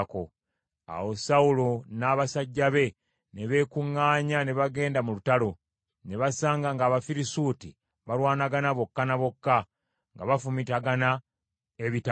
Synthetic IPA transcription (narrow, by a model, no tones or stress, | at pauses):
ko | a̰wo̞saulo̞naːβasaɟːaβe̞ | ne̞βe̞ːkuŋːaːɲane̞βaɡe̞ːndamulutalo̞ | ne̞βasaːŋɡaŋɡaːβafiɾisuːti | βaɾwaːnaɡanaβo̞kːanaβo̞kːa | ŋɡaβafumitaɡana | eβita